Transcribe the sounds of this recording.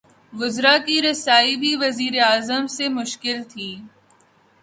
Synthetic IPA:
ɡʊzɾakiɾɪsaːibʱiʋɐziːɾeaːzəmsemʊʃkɪlt̪ʰiː

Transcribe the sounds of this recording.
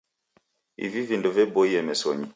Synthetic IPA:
ḭvivindɔvɛbɔiɛmɛsɔ̰ɲi

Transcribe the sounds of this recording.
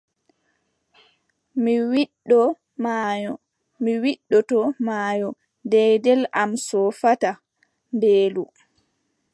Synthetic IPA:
miwiɗːɔ | majɔ | miwiɗːɔtɔmaːjɔ | dɛjdɛlamsɔfata | nbeːlu

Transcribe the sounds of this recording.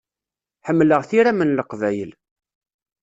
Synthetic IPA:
ħəmːləʁθiɾæmənləqvæjəl

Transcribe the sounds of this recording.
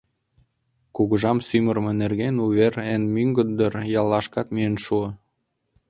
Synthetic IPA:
kuɣəʒɑmsymə̆rmĕnerɣenuβerenmyŋɡə̆d̪d̪ərjɑlːɑʃkɑt̪miənʃuə

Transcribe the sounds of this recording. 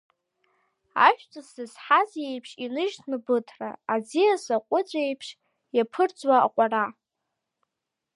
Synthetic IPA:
a̰ʃᶣt͡sʼasɨzħazjejpʰʂʼinɨʒtʰnɨbɨtʰra̰ad͡zijasaqʷʼʊt͡sʷʼejpʰʂ | japʰɨrd͡zʼwa̰ːqʷʼara

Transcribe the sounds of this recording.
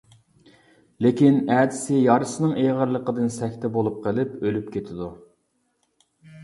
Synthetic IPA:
lekʲinɛːd̪ɪsɪjɑɾɨsɨnɨŋʔeʁəɾlˠəqəd̪ɨnsɛkʲt̪ʰɛbolˠup̚qʰəlˠɪpølyp̚kʲʰet̪ʰɪd̪u

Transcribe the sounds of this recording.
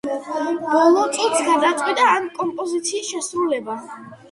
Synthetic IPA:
bɔlˠɔɾt̪sʼit̪sɡaɾd̪at̪sʼqʼwit̪ʼaːnkʼɔmpʼɔzit̪sʰiːsʃɛsɾulɛba

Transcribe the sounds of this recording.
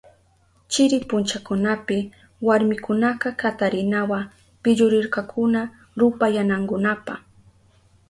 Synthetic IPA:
t͡ʃɪɾɪpʊnt͡ʃakʊnapɪ | waɾmɪkʊnaqɑkat̪aɾɪnawa | pɪʎʊɾɪɾkɑkʰʊna | ɾʊpajanaŋkʊnapaχ

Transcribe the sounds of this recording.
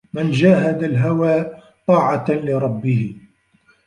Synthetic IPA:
mɪnd͡ʒaːɦad̪alɦawaː | t̪ˤɑːʕɑlɪɾˤɑbːɪhɪ

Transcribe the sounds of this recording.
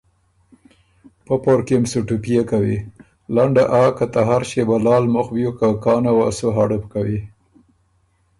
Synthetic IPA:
papoɾkemsuʈupijekawi | laɳɖaʔakat̪aɦaɾʃebalɑːlmʊxbjukakɑːnawa̰soɦaɽəpkawi

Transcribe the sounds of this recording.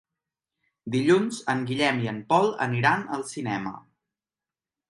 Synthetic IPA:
d̪iʎunzəŋɡiʎɛmiəmpɔlˠə̰niɾanəlˠsinɛmə̰

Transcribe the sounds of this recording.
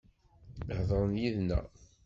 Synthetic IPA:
əhðˤəɾˤənjiðnæ̰

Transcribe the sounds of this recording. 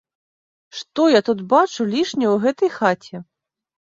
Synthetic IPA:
ʂt̪ɔjat̪ut̪bat͡ʂulʲiʂnʲɛwɣɛt̪ɐjxat͡sʲɛ

